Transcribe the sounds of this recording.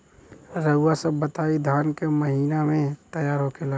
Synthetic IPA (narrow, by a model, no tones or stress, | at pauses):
ɾəʊwasəbːət̪aːid̪ʱaːnkeməɦiːnamẽt̪əjaːɾɦokela